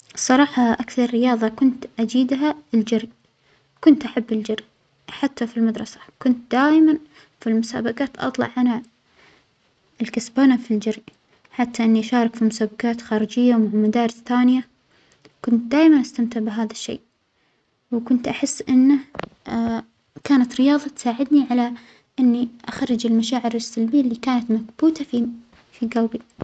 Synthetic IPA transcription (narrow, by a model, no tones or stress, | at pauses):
sˤːɑɾˤɑːħɑʔakθɑɾˤːɪjɑːðˤɑkʊnt̪ʔad͡ʒiːd̪ɦaɪld͡ʒaɾi | kʊnt̪ʔaħabːɪld͡ʒaɾ | ħat̪ːafilmad̪ɾˤɑsḁkʊnt̪̚d̪aːjman | filmʊsa̰ːbakaːt̪ʔɑ̰t̪ˤlɑ̰ʕːana | ɪlkasbaːnafild͡ʒaɾi | ħat̪ːaʔɪnːiʔaʃɑːɾˤɑkfimʊsaːbakaːt̪xaːɾɪd͡ʒɪjːawmaʕmad̪ɑːɾˤɪsθaːnɪja | kʊnt̪̚d̪aːjmanʔast̪amt̪ɪʕbɪɦaːðaʃːḛː | wkʊnt̪ʔaħɪsːʔɪnːa | kaːnat̪ɾɪjɑːðˤɑt̪saːʕɪd̪niʕala | ʔɪnːiʔaxɑɾˤːɪd͡ʒɪlmaʃaːʕɪɾɪsːalbiːlːikaːnat̪makbuːt̪afi | fiɡawbi